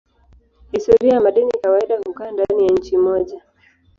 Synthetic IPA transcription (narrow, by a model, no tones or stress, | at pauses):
histɔɾiajamaɗinikawaiɗahukaːndanijaɲ̩t͡ʃimɔʄa